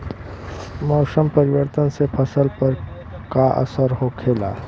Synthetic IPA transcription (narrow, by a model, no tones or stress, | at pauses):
mɔːsəmpɐɾɪwəɾt̪ənsepʰɐsəlpɐɾ | kaʔə̰səɾɦokʰeːla̰ː